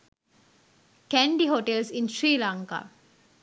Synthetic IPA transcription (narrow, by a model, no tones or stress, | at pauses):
kæɳɖiɦoʈelsinʃɾiːlaŋka̰ː